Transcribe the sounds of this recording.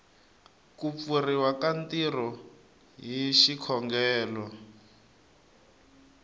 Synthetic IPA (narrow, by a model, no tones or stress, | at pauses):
kup̪furiwakantiɾɔ | ɦiʃikʰɔŋɡɛːlɔ